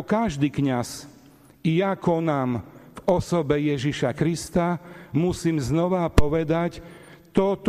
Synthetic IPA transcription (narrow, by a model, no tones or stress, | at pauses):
kaʒd̪iːkɲas | ijakɔnaːmvɔsɔbɛjɛʒiʃakɾist̪amusiːmznɔʋapɔʋɛd̪ac | t̪ɔt̪